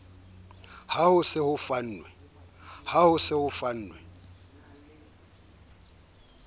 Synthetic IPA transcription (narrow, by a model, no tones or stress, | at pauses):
hahʊsɪhʊfan̩ːnwɛhahʊsɪhʊfan̩ːnwɛ